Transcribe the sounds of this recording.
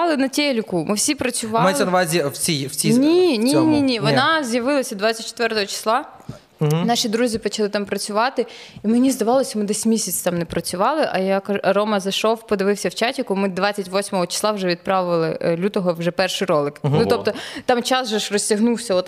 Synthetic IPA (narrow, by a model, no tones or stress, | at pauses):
lˠɪnɐtʲɛlʲkumɪwsʲipɾɐt͡sʲʊʋɑmaj̪ˠʲɛnɐʋɑzʲiwt͡sʲijwt͡sʲinʲinʲiinʲinʲiʋɔnɑzjɐʋɪlˠɐsʲɐd̪ʋat͡sʲɐt̚ʲt͡ʃːe̥t̪ʋɛrt̪ɔɦɔt͡ʃɪ̥slˠɑ | nɑʃid̪ɾuzʲipɔt͡ʃɐlˠɪt̪ɑmpɾɐt͡sʲʊʋɑt̪ɪ | imenʲizd̪ɐʋɑlˠɔsʲɐmɪd̪ɛsʲmʲisʲɐt͡sʲt̪ɑmnɛpɾɐt͡sʲʊʋɑlˠɪʔɐ̰jakɐɐɾɔmɐzɐʃɔwpɔd̪ɪʋɪwsʲɐwt͡ʃatʲɪkʊmɪd̪ʋat͡sʲːɐtʲʋɔsʲmɔɦɔt͡ʃɪ̥slˠɑwʒɛʋʲid̪̚pɾɑʋʊʋɐlˠɪ̰lʲut̪ɔɦɔwʒɛpɛrʃɪjɾɔlˠɪknuɔpt̪ɔt̪ɑmt͡ʃɑsʒɛʒrɔsʲtʲɐɦnuwsʲɐɔt̪